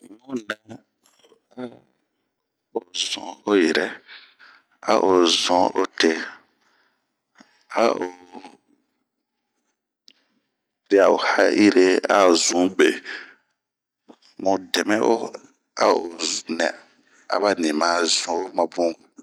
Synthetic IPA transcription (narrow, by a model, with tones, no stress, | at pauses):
mũ˦nã˦ | a˦ | o˨zɔ̰̃˨o˦jɛ˨ɾɛ˦ | a̰˦ʔo˨zɔ̃˨˦o˦te˦ | a˦o˨ | ɾi˦a˨o˨ha˦i˦ɾe˦a̰˦o˨zũ˨˦be˨ | mũ˨dɛ˨mɛ̃˦ʔo˦ | a̰˦o˨nɛ̰̃˨ | a̰˨ba˦nĩ˨mã˨˦zɔ̃˨˦o˦mã˨bũ˦˨